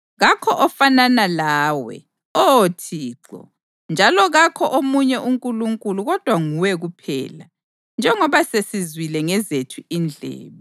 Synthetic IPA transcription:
ɣakʰɔʔɔfananalaːwɛ̰ | ɔotʰiːǁɔ̰ | nd͡ʒʱalɔɣakʰɔʔomuɲɛʔuŋkʼuluŋkʼuluɣɔd̥ʱwaŋuwɛɣupʰɛ̰ːla | nd͡ʒʱɛŋɔβasesizwilɛŋɛzetʰuind͡ɮʱɛ̰ːβɛ

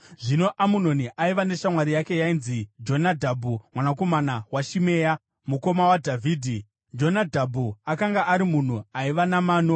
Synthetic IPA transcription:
ʐino̞ʔamuno̞niʔaiʋane̞ʃamwaɾijake̞jainzid͡ʒo̞nadʱabʱumwanako̞manawaʃime̞ːja | muko̞mawadʱavʱiːdʱi | d͡ʒo̞nadʱabʱuakaŋɡaʔaɾimun̤uaiʋanamaːn̤o

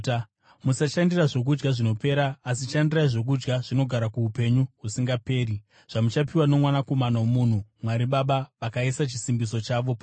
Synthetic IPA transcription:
musaʃandiraʐo̞k̬ud͡ʒɡaʐino̞pe̞ːɾaːsiʃandiraiʐok̬ud͡ʒɡaʐ̥ino̞ɡʱaɾakuːpe̞ɲuɦusiŋɡape̞ːɾi | ʐ̥amut͡ʃapiwano̞mwanako̞manaomuːn̤umwaɾiɓaɓaʋakaisat͡ʃisimbiso̞t͡ʃaʋo̞p

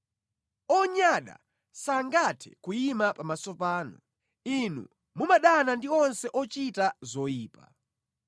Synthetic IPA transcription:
ɔɲaɗa̰ | saŋɡatʰɛ̰kujimapamasɔpaːnɔ | inṵ | mumaɗanandiɔnsɛʔɔt͡ʃitazɔiːpa

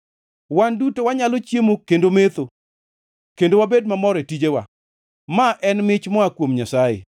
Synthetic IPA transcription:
wandutowaɲalot͡ʃjemokendomet̪o | kendowabed̚mamɔɾetid͡ʒewa̰ | maʔɛnmɪt͡ʃmɔakwomɲasajḛ

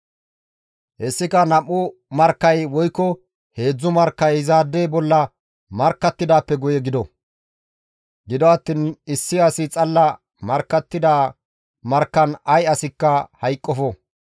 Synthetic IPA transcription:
hɛsːɪkɐnɐpʼːʊmɐɾkːɐjwɔjkːɔ | he̞ːd͡zːʊmɐɾkːɐjzaːd̪ːeːbɔlːɐ | mɐɾkːɐt̪ːɪd̪aːpːɛɡɔjɛɡɪd̪ɔ | ɡɪd̪ɔɐt̪ːiːnɪsːɪɐsɪt͡sʼɐlːɐ | mɐɾkːɐt̪ːɪd̪aː | mɐɾkːɐnɐjɐsɪkːɐhɐjkʼːɔfɔ

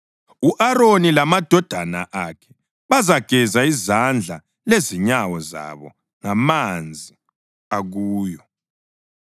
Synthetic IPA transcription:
uʔaɾonilamad̥ʱɔd̥ʱana̰ʔakʰɛ̥ | βazaɡ̥ʱɛzaizand͡ɮʱa | leziɲawɔza̰βɔ̰ | ŋamand͡zʱi | aɣuːjɔ

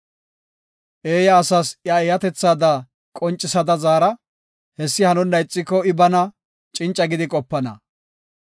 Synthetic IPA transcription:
ʔe̞ːjɐːsɐsjɐɛjɐt̪ɛt͡sːaːd̪ɐ | kʼɔnt͡ʃʼːɪsɐd̪ɐzaːɾɐ | hɛsːɪhɐnʊnːɐjt͡sʼːɪkːɔɪbɐnɐ | t͡ʃʼɪnt͡ʃʼɐɡɪd̪ɪkʼɔpːɐnɐ̰

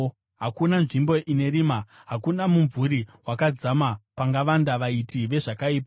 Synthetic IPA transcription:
ɦakunanʐimbo̞ʔine̞ɾimaɦakunamuɱvuɾiwakad͡zamapaŋɡaʋandaʋaitʰiʋe̞ʐakaiːp̬a

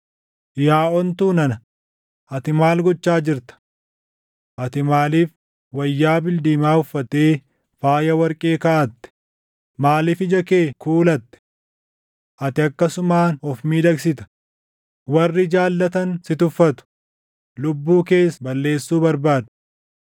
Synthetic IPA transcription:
jaːʔɔnt̪uːnɐnɐ | ʔɐt̪ɪmaːlɡɔt͡ʃːaːd͡ʒɪɾt̪ɐ̥ | ʔɐt̪ɪmaːliːf | wɐjːaːbɪld̪iːmaːʊfːɐt̪eː | faːjɐwɐɾkʼeːkɐʔɐt̪ːɛ̥ | maːlɪfɪd͡ʒɐke̞ːkuːlɐt̪ːɛ̥ | ʔɐt̪ɪɐkːɐsʊmaːnɔfmiːd̪ɐɡsɪt̪ɐ̥ | wɐrːɪd͡ʒaːlːɐt̪ɐnsɪt̪ʊfːɐt̪ʊ̥ | lʊbːuːke̞ːsbɐlːe̞ːsːuːbɐɾbaːd̪ʊ̥

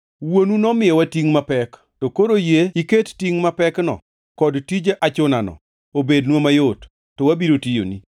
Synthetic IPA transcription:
wonunɔmɪjɔwatiŋmapɛk | tokoɾojeikettiŋmapɛknɔ̰ | kɔdtid͡ʒeʔat͡ʃʊnanɔ̰ | obednwomajotː | ɔwabiɾotijo̰ni

